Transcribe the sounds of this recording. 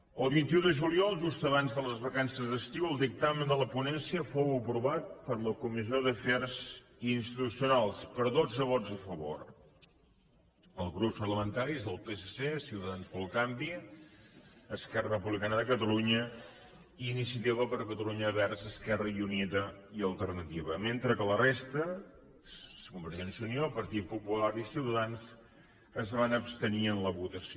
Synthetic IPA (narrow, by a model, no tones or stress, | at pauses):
əlˠβint̪iuðəʒuliɔlˠʒust̪əβanzðələzβəkansəzðəst̪iwəlˠd̪ik̚t̪amənd̪ələpunɛnsiəfowəpɾuβat̪̚pəɾləkumizioðəfɛɾz | inst̪it̪usijunalˠspəɾðod͡zəβ̞ɔd͡zəfəβo̰ɾ | əlˠzɣɾupspərləmənt̪aɾizðəlˠpesesesiwt̪əðanspəlˠkambi | əskɛrərəpuβlikanəðəkət̪əluɲə | inisiət̪iβəpəɾkət̪əluɲəβɛɾzəskɛrəiuniðəiəlˠt̪əɾnət̪iβəment̪ɾəkələrest̪ə | sə̥kumbəɾʒɛnsiuniopəɾt̪it̪̚pupulaɾisiwt̪əðanz | əzβanəpst̪əniənləβut̪əsi